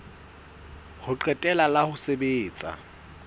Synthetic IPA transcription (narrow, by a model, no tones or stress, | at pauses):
hʊǃɛtʼɛlalahʊsebeːt͡sʼa̰